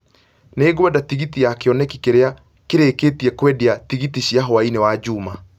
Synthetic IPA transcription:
neːɣwɛdatiɣitiakeɔnɛkikeɾea | keɾekeːtiɛkwɛdiatiɣitiɕjaɦoainewad͡ʑuːma

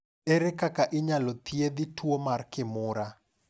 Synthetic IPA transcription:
eɾɛkakaʔɪɲalɔt̪ied̪ɪtʰwomarkɪmʊɾa

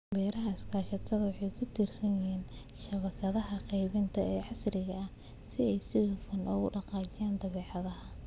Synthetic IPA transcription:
bɛːɾɐɦɐɪskʰaːʃɐt̪ʰɐðɐwɑħɑjkʰʊt̪ʰiːrsɐnjɪɦiːn | ʃɐβɐkʰɐðɐɦɐqɛjβɪnt̪ʰɐɛːʕɑsrɪɣɐɐ | sɪɛjsɪhʊfɐnʔɔɣʊɖɑqɑːt͡ʃɪjaːnd̪ɐβɛːʕɑðɐɦɐ

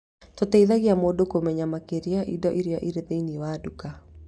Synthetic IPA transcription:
totɛiðaɣiamoːdokomɛɲamakeɾjaʔḭdɔʔiɾjaʔiɾeðeiniwaduka

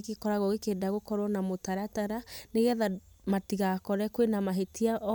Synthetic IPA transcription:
kekɔɾaɣoɣekeːndaɣokɔɾwɔnamotaɾataɾaneɣɛða | matiɣakɔɾɛkwenamaɦetiaʔ

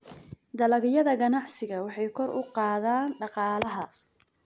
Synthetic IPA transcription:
d̪ɐlɐɣɪjɐðɐɡɐnɑʕsɪɣɐwɑħɑjkʰɔrʊ̰qɑːðaːnɖɑqɑːlɐɦɐ

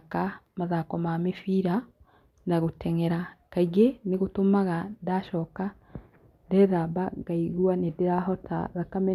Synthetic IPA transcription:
kamaðakɔmamefiɾa | naɣotɛŋɛɾakaiɡeneɣotomaɣandaʃɔka | dɛðabaɡaiɣwanedeɾaɦɔta̰ðakamɛ

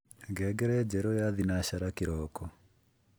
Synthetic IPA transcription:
ɡɛɡɛɾɛd͡ʒɛɾɔjaðinaɕaɾakiɾɔːkɔ

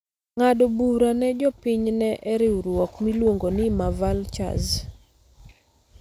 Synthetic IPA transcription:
ŋadobuɾanɛd͡ʒɔpɪɲnɛʔɛɾɪuɾwɔkmilwoŋɡonɪmavalt͡ʃa̰z

